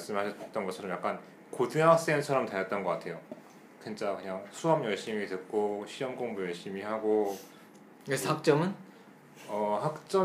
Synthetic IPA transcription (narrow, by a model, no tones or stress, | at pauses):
aɭs͈ɯmɦaɕʰʌt͡ɕt͈ʌnɡʌt͡ɕʰʌɾʌmjak͈an | kodɯɦak̚s͈ent͡ɕʰʌɾʌmtwejʌt̚t͈ʌnɡʌk͈atʰe̞jo | kent͡ɕ͈akɯɲaŋsʰuʌmjʌɭɕ͈imitɯk̚k͈oɕʰiwʌmkoŋbujʌɭɕ͈imihaɡo | kesak̚t͡ɕ͈ʌmɯn | ʌhak̚t͡ɕ͈ʌ